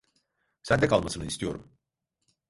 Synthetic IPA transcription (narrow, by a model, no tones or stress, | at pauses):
sænd̪ɛkʰalˠmasɯnɯist̪ʰijo̞̰ɾum